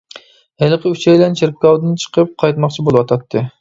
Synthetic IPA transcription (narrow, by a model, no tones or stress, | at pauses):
helˠɨqʰəyt͡ʃɛjlɛnt͡ʃʰeɾp̚kʲɑwd̪ɨnt͡ʃʰə̥qʰəp̚qʰɑjt̪mɑqt͡ʃʰibolˠɨwɑt̪ʰɑt̪ʰːɨ